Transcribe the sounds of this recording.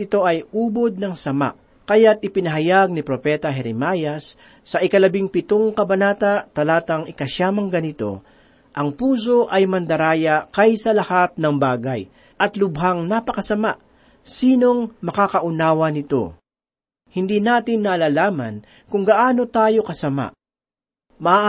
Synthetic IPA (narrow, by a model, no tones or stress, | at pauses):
ɪt̪o̞ʔɐjuːbo̞d̪̚nɐŋsɐma̰ʔ | kɐjat̪̚ʔɪpɪnɐɦɐjaɡ̚nɪpɾo̞pɛt̪ɐɦɛɾɪmaːjɐsː | ɐʔɪkɐlɐbiŋpɪt̪oŋkɐbɐnaːt̪ɐt̪ɐlaːt̪ɐŋɪkɐʃaːmɐŋɡɐnɪt̪o̞̰ | ʔɐŋpuːs̬o̞ʔɐjmɐnd̪ɐɾaːjɐkɐjsɐlɐhat̪̚nɐŋbaːɡɐj | ʔɐt̪lʊbɦaŋnapɐkɐsɐmaʔ | siːno̞ŋmɐkakɐʔʊnaːwɐnɪt̪o̞̰ | hɪnd̪inaːt̪ɪnːaːlaːlaːmɐ̰n | kʊŋɡɐʔaːno̞t̪aːjo̞kɐsɐma̰ʔ | mɐa